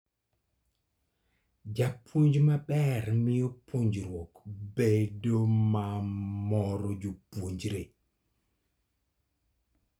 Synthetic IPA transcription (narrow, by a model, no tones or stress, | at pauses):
d͡ʒapʰwoɲd͡ʒmabɛɾmiopʰoɲd͡ʒɾwɔkbedomamɔɾɔd͡ʒupoɲd͡ʒɾe